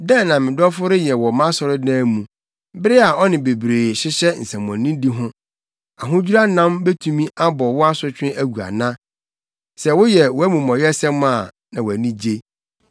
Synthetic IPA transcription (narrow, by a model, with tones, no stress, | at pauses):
dɛ̃˦˨nã˨mɪ̃˨dɔ˦fʊ˦ɾɪ˦jɛ˨wɔ˨mã˦sɔ˨ɾɪ˦dãː˦mũ˨ | bɪ˦ɾɪ˦a˨ɔ˦nɪ̃˨be˨bɾeː˨ɕɪ˦ɕɛ˦n̩˨sɛ̃˨m˨ɔ̃˨nːĩ˦di˦ɦʊ̃˦ | a˨ɦʊ̃˦d͡ʑᶣu˦ɾa˦nã˦mbe˦tʰũ˦mĩ˦ʔa˦bɔ˨wʊ˦a˦sʊ˦t͡ɕᶣʰɪ̃˦ʔæ˦ɡu˨a̰˨nã˦ | sɛ˨wʊ˦jɛ˨wɔ˦æ˦mũ˨mɔ̃˨jɛ˦sɛ̃˦mːã˦˨ | nã˨wɔ˨æ˨nĩ˦d͡ʑe˦